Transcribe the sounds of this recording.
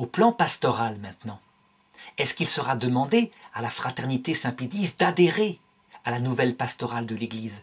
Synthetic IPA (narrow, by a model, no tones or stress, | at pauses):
oplɑ̃past̪ɔʁalmɛ̃t̪nɑ̃ | ɛskilsəʁad̪əmɑ̃d̪ealafχat̪ɛʁnit̪esɛ̃pid̪isd̪ad̪eʁe | alanuvɛlpast̪ɔʁald̪əleɡliːz